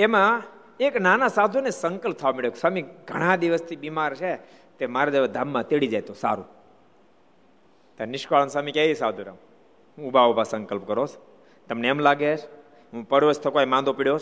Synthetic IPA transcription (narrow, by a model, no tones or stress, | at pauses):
emã | eknanasad̪ʱunesə̃ŋkəlp̚t̪ʰaʋamiɭeksamiɡʱə̰ɽ̃ãd̪iʋəst̪ʰibimaɾt͡ʃʰe | t̪emaɾad̪eʋəd̪ʱamːãt̪eɽid͡ʒajt̪osa̰ɾṵ̃ | t̪aɾnɪʃkaɭənsamikaisad̪ʱuɾḛm | ɦũubʱaubʱasəŋkəlpkəɾot͡ʃʰ | t̪əmneːmlaɡet͡ʃʰ | ɦũpəɽʋot͡ʃt̪ʰəkoemãnd̪opiɽjot͡ʃ